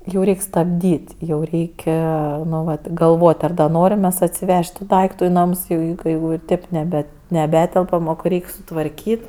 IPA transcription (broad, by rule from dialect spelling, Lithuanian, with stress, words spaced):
jɛʊ ˈrʲɛɪkʲ stɐbʲˈdʲiːtʲ jɛʊ ˈrʲɛɪkʲ ˈnʊ ʋɐt ɡɐlˠˈʋoːtʲ ˈɐr ˈnoːrʲɪm mʲɛs ɐtʲsʲɪˈʋʲɛʃʲtʲ tʊ ˈdɐɪktʊ ɪ ˈnɐms jɛʊ ˈjɛʊ kɐɪ jɛʊ ɪr ˈtʲeːp nʲɛˈbʲɛ nʲɛˈbʲæːtʲɛlˠpɐm oː kɐɪ ˈrʲɛɪkʲ sʊtʋɐrʲˈkʲiːtʲ